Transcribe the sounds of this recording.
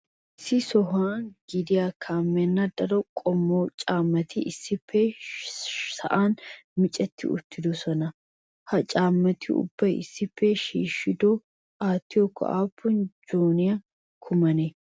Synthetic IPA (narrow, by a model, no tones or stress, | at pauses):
ʔɪsːɪsɔɦaːnɡɪd̪ɪjakʰaːmːɛnːɐd̪ɐɾɔkʼɔmːoːt͡ʃʼaːmːɐt̪ɪʔɪsːɪpʰːɛ | sɐ̰ʔaːnmɪt͡ʃʼɛt̪ːɪ̰ʊ̰t̪ːɪd̪ɔsɔnɐ | hɐt͡ʃʼaːmːɐt̪ɪʊ̰bːɐjɪ̰sːɪpːɛʃiːʃːɪd̪ɔ | aːt̪ːɪjɔkːɔ̰ʔa̰ːpːʊnd͡ʒoːnɪja | kʰʊmɐne